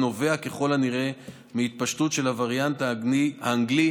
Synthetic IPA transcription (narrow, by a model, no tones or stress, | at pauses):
no̞ve̞ake̞χo̞laniʁe̞ | miit̪̚paʃtutʃe̞lavaʁjant̪aiha̰ːŋɡli